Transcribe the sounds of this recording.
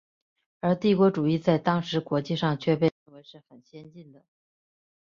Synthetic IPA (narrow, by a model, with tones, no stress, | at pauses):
ə˞˧˥t̪i˥˩kwɔ˧˥ʈ͡ʂu˨˩i˥˧t͡sa˥˩ɪt̪ɑ˥ŋʂɻ̩˧˥kwɔ˧˥t͡ɕi˥˧ʂɑ˥˧ŋt͡ɕʰɥɛ˥˧pe˥˧ɪɻə˥˩nwe˧˥ɪʂɻ̩˥˩xə˨˩nɕjɛ˥nt͡ɕi˥˩nd̪ə˩